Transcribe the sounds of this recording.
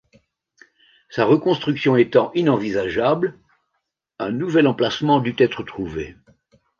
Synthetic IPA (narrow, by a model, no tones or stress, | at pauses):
saʁəkɔ̃st̪χyksjɔ̃et̪ɑ̃ʔinɑ̃vizaʒabl | ɛ̃nuvɛlɑ̃plasmɑ̃d̪yt̪ɛt̪χət̪χuvḛ